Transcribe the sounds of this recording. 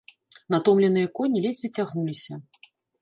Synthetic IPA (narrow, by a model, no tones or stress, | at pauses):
nat̪ɔmlʲɛnɨjɐkɔnʲilʲɛzʲvʲit͡sʲaɣnulʲisʲɐ